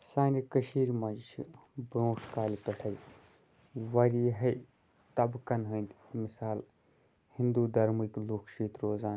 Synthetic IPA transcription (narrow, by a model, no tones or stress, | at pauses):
saːnikɐʃiːɾmɐd͡ʒt͡ʃʰibɾõːʈʰkaːlipɐʈʰɐj | ʋɐɾiːɦɐj | t̪ɐbkɐnɦəːnd̪mɪsaːl | hind̪uːd̪ɐɾmikloːkʃiːt̪ɾoːzaːn